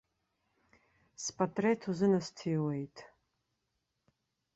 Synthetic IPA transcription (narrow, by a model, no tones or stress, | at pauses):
spʰʼatʼretʰuzɨnɐstʰiːwejtʰʼ